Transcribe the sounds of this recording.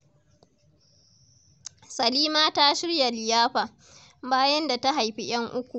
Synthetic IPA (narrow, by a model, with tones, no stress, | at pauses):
sɐ˨liː˦maː˦ta˦ʃɪ˦rja˨lɪ˨jaː˦ɸaː˨ | baː˦jɐ˦nda˨ta˦ɦa˨jɸi˦j̰ɐ˦ŋʔʊ˦kʷu˨